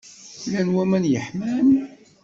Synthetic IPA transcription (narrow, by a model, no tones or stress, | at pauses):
lænwæmænjəħmæm